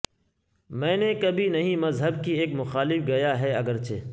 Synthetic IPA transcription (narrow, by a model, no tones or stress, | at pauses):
mɛ̃ːnekɐbʱinɐɦĩmɐzɦəb̚kieːkmʊxaːlɪfɡɐjaːɦɛɐɡəɾt͡ʃʰḛː